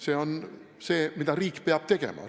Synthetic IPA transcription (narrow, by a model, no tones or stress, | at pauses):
seːo̞n | seːmid̪̥ɑɾiːkːˑpeɑb̥̚t̪e̞ɡ̥ḛmɑ̰